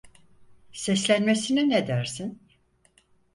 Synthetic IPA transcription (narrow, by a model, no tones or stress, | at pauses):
sɛslʲænmesinined̪æɾsin